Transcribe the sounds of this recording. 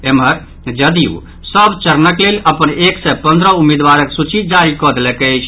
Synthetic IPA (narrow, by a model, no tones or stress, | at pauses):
eməɾ | d͡ʒəd̪iṵ | səbt͡ʃəɾnəklelʔəpəneksɛpə̃nd̪ɾəumed̪waɾəksut͡ʃid͡ʒaɾikɔd̪lɛkɛt͡ʃʰ